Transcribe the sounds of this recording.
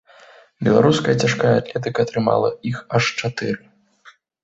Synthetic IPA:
bʲɛlˠa̰ɾuskɐjɐt͡sʲaʂkajɐat̪lʲɛt̪ɨkɐːt̪ɾɨma̰lˠɐ̰ixɐʂt͡ʂat̪ɨɾɨ

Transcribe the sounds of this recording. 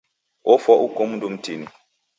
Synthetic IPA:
ofɔʔukomndum̩tini

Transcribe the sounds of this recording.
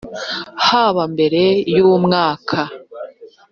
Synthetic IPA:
haβambe̞ɾe̞jumŋaːkʰa

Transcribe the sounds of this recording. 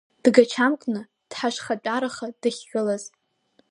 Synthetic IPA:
d̥ɡat͡ʃʰamkʷʼnɨ | d̥ħaʂχat͡pʷʼaɾaχad̥ɨχʲːɨlaz

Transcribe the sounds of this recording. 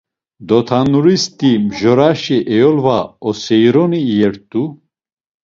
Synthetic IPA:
d̪ɔt̪ʰanuɾist̪ʼimʒɔɾaʃiʔɛjɔlvaɔsɛjɾɔniːjɛɾt̪ʼu

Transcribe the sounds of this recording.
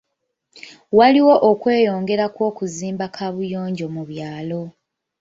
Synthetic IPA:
waliwo̞ʔokwe̞ːjo̞ːŋɡe̞ɾakwo̞ːkuziːmbakʰaβujo̞ːɲɟo̞muβjaːlo̞

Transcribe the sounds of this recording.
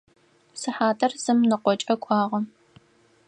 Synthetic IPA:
sɨħaːtʰɐrz̥ɨmnɨqʷɔt͡ʃʼɐkʷʰɑːʁɐ

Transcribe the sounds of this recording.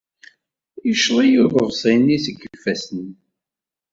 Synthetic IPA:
jəʃlˤijuðəvsˤinisəɡːfːæsəni

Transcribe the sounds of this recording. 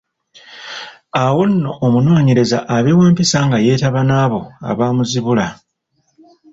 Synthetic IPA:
awo̞nːo̞ʔːmuno̞ːɲe̞ɾe̞zaʔːβewaːmpisaŋɡaje̞ːtaβanaːβo̞a̰βaːmuziβula

